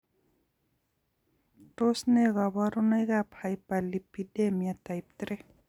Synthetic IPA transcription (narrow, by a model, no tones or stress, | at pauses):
ʈosneɣabaɾunajɡapʰajpalipidemijat̪ajp̚t̪ɾe